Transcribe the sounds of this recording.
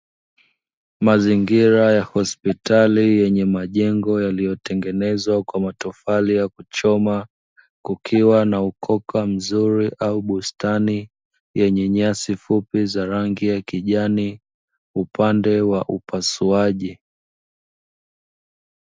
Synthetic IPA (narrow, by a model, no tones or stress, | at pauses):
maziŋɡiɾajahɔspitalijɛɲɛmaʄɛŋɡɔjalijɔtɛŋɡɛnɛzwakwamatɔfalijakut͡ʃɔma | kukʰiwanaukʰɔkʰam̩zuɾiʔauɓustani | jɛɲɛɲasifupizaɾaŋɡijakiʄani | upandɛwaʔupasuaʄi